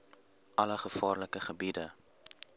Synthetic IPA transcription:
ʔɐləχəfɑːrləkəχəbidə

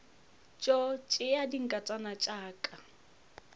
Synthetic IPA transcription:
t͡ʃʼɔt͡ʃʼɪadiŋ̩kʼat͡sʼanat͡ʃʼaːkʼa

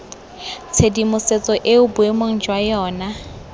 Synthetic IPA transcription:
t͡sʰedimʊset͡sʼɔʔeʊbʊemoŋ̩d͡ʒwajɔːna

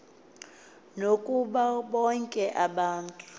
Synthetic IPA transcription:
nokʼuɓaɓɔŋkʼɛʔaɓaːntʼu̥

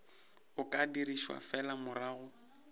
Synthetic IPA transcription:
ʊkʼadiriʃwa̰fɛlamʊraːɣʊ

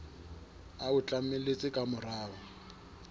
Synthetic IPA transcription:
aʊt͡ɬʼamelet͡sʼɪkʼamʊraːwɔ

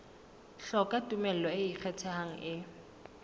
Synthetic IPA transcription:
ɬɔkʼatʼumɛl̩lɔɪik͡xʰɛtʰɛɦaŋ̩ʔɪ

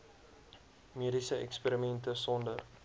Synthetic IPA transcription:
miədisəɛ̰kspiːɾimɛntəsɔndər

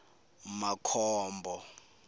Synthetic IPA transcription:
makʰɔːmbʱɔ

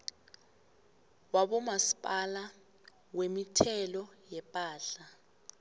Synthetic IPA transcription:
waɓɔmasi̥pʼala | wemitʰɛlɔjɛpʼaːɬa

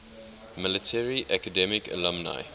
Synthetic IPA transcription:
mɪlətʰɛɹiʔækədɛmɪkʰə̰lə̃mna̰ɪ

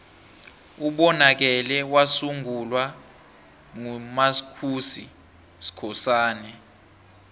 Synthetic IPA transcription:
uɓɔnak̬ɛlɛwasuŋʱulwa | ŋumasi̥kʰusḭ | si̥kʰɔsaːnɛ

